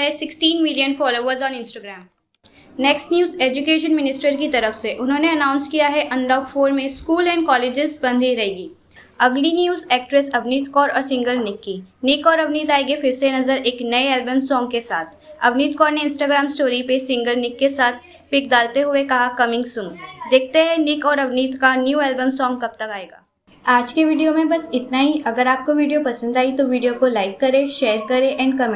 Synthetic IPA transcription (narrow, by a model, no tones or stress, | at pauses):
ɦɛsɪksʈiːnmɪlijənfɔːloːʋəɾzɔ̃ːnɪ̃nsʈaːɡɾɛːm | nɛksʈnjuːzeːd͡ʒʊkeːʃənmɪnɪsʈəɾkit̪ɐɾəfseʔʊnɦõːneɐnaːʊ̃nskijaɦɛʔɐ̃ɳɖaːkfoːɾmẽskuːlɛ̃ːɳɖ̚kɔːleːd͡ʒɪzbɐ̃nd̪ʱiɾɐɦeːɡiː | ɐɡlinjuːzɛːk̚ʈɾɛsɐʋniːt̪kɔːɾɔ̰ːɾsɪ̃ŋɡəɾnɪkːiːnɪkɔːɾɐʋniːt̪aːeɡefɪɾsenɐzəɾeːknɐeɛːlbəmsɔ̃ːŋɡkesaːt̪ʰɐ̰ʋniːt̪̚kɔːɾneɪ̃nsʈaːɡɾaːmsʈoːɾipesɪ̃ŋɡəɾnɪkːesaːt̪̚ʰ | pɪk̚d̪aːlt̪eɦʊekɐɦakɐmɪ̃ŋɡsʊŋd̪eːk̚ʰt̪eɦɛ̃nɪkɔːɾɐʋniːt̪kanjuːɛːlbəmsɔːŋɡ̚kɐp̚t̪ɐkaːeːɡa̰ː | aːd͡ʒkeʋiːɖijomẽbɐsɪt̪naːɦiɐɡəɾaːp̚koʋiːɖijopɐsə̃nd̪aːit̪oʋiːɖijokolaːɪkːɐɾeʃeːɾkɐɾeʔɛ̃ːɳɖ̚kɐmẽ